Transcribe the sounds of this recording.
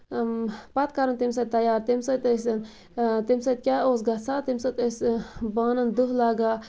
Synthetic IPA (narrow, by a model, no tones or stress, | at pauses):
pɐt̪kɐɾɐnt̪ims̬ɐt̪t̪ɐjaːɾt̪imsɐt̪ɐsɐn | t̪imsɐt̪̚kʲaoːs̬ɡɐt̪sʰat̪imsɐt̪əsbaːnɐnd̪uɦlaːɡaː